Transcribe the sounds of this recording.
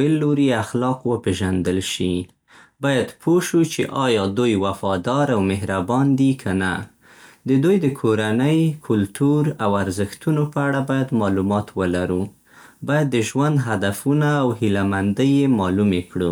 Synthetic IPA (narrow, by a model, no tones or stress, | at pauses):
elːoɾiaxlɑqwəpeʒand̪əlʃi | bɑjad̪pʰoʃut͡ʃḛʔɑjɑd̪ujwafɑd̪ɑɾawmɪɦɾabɑnd̪ikʰana̰ | d̪əd̪ujd̪əkʰoɾanəjkʰʊlt̪uɾawaɾzəxt̪unopəaɽabɑjad̪mɑlumɑt̪wəlaɾu | bɑjad̪ːəʒwand̪ɦad̪afunaːwhilamand̪əjemɑlumekɽu